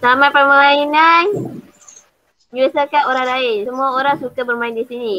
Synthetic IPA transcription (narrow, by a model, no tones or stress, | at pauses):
samapərmmainan | d͡ʒasakanoɾahdaɪsəmuaoɾaŋsukabərmaɪndisini